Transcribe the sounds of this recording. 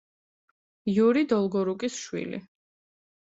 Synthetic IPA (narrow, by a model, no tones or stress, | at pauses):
juɾid̪ɔlˠɡɔɾukʼisʃwḭlḭ